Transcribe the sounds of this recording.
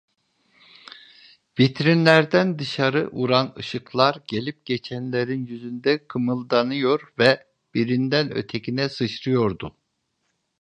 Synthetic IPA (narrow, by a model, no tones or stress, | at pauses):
vit̪ʰɾinlʲæɾd̪ænd̪ɯʃaɾɯʔuɾanɯ̰ʃɯklˠaɾɟelʲip̚ɟ̥et͡ʃʰænlʲeɾinjyzynd̪ɛkʰɯmɯlˠd̪anɯjo̞ɾvɛ | b̥iɾind̪ænø̰t̪ʰecʰinɛsɯʃɾɯjo̞ɾd̪u